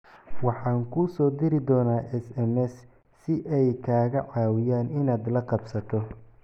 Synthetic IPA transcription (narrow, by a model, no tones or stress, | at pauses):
wɑħɑːŋkʰʊsɔːd̪ɪɾɪd̪ɔːnaːʔɛsɛmɛs | sɪʔɛjkʰaːɣɐʕɑːwɪjaːnɪnaːd̪lɐqɑbsɐt̪ʰɔ